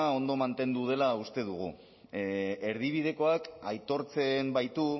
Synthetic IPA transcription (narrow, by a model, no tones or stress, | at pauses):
ao̞nd̪o̞mant̪e̞nd̪uð̞e̞laust̪e̞ðuɣṵ | e̞ɾð̞iβ̞ið̞e̞ko̞akajt̪o̞ɾt͡se̞mbajt̪u